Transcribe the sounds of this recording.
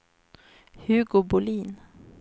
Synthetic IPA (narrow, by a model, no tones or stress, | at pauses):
hʉɡoːbʊliːn